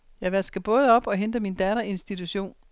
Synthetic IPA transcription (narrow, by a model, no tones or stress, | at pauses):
jɑ̈ɪʋæsɡ̥əb̥ɔ̽ːð̞̩ˠɒ̽b̥ɒ̽ɦend̥əmind̥ɛːɾɐe̝nsd̥it͡sʰuɕo̝̰ːn